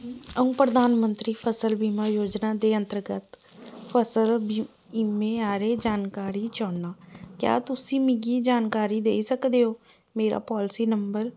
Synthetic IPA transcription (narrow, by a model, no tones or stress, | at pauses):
əũːpɾəd̪aːnmənt̪ɾiːpʰəsəlbiːmaːjoːd͡ʒnaːd̪eːə̃nt̪əɾɡət̪ | pʰəsəlb | imẽːaːɾeːd͡ʒaːnkaːɾiːt͡ʃɔːnaːkja̰ːt̪ʊsĩːmɪɡiːd͡ʒaːnkaːɾiːd̪ḛːisəkd̪eːoː | meːɾa̰ːpɔːlsiːnəmbəɾ